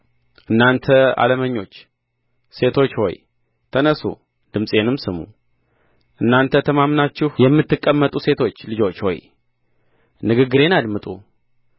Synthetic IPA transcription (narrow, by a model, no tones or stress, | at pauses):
ʔɨnːant̪ʰəa̰ləməɲːo̞t͡ʃː | se̞t̪ʰo̞t͡ʃːho̞̰j | t̪ʰənəsṵ | d̪ɨmsʼe̞nɨmsɨmṵ | ʔɨnːant̪ʰət̪ʰəmamnat͡ʃːɪhjɛmːɨt̪ːɨkʼːəmːət̪ʼuse̞t̪ʰo̞t͡ʃːlɨd͡ʒo̞t͡ʃːho̞̰j | nɨɡɨɡːɨɾe̞nad̪mɨt̪ʼṵ